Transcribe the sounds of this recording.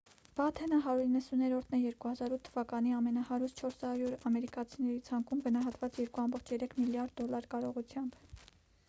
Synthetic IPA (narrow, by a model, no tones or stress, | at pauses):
b̥ɑt̪ʰɛnəɦɑɾuɾinːəsunɛɾɔɾt̪ʰnɛjɛɾkuhɑzɑɾut̪ʰːəvɑkɑn̪iɑmɛnɑhɑɾuɾt͡ʃʰɔɾsɑɾjuɾɑmɛɾikɑt͡sʰinɛɾit͡sʰɑŋkumɡənɑɦɑt̪vɑt͡sjɛɾkuɑmbɔχt͡ʃʰjɛɾɛkʰmiljɑɾd̪ːɔlɑɾkɑɾɔʁut͡sʰjɑmb